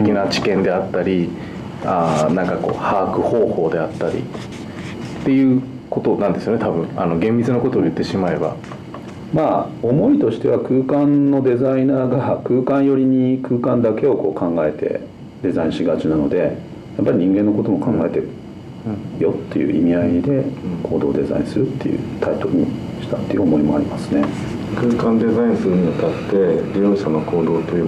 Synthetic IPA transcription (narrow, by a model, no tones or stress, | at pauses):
ekʲinat͡ɕi̥kẽ̞nd̪e̞at̪ːaɾʲi | anãŋkako̞̰ːhaːkɯ̟ho̞ːho̞ːd̪e̞at̪ːaɾʲḭ | t̪ːe̞jɯ̟ː | kot̪o̞nãnd̪e̞sɨjonet̪abɯ̟̃ɴa̰no̞ɡẽmbʲit͡sɨnoko̞t̪oːjɯ̟t̪ːe̞ɕimae̞ba̰ | maːo̞mo̞it̪o̞ɕi̥t̪e̞βakɯ̟ːkãnnːo̞d̪e̞zainaːɡakɯ̟ːkãɰ̃jo̞ɾʲiɲ̟ikʰɯ̟ːkãnd̪ake̞o̞ko̞̰ːkʰãŋɡae̞t̪e̞̰ | d̪e̞zaĩɕiɡat͡ɕinano̞d̪e̞ | japːaɾʲiɲ̟ĩŋɡenːo̞ko̞t̪o̞mo̞kʰãŋɡae̞t̪eɾɯ̟ | jo̞t̪ːe̞jɯ̟̰ːʔḭmʲiaid̪e̞kʰo̞ːd̪o̞̰ːd̪e̞za̰ḭ̃sɨɾɯ̟t̪ːe̞jɯ̰t̪ʰait̪o̞ɾɯ̟ɲ̟ḭɕi̥t̪at̪ːe̞jɯ̟omo̞imo̞aɾʲimasɨ̥ne̞ | kɯ̟ːkãnd̪e̞zaĩɰ̃sɨɾɯ̟ɲiot̪at̪ːe̞ɾʲijoːɕanoko̞ːd̪o̞ːt̪ːejɯ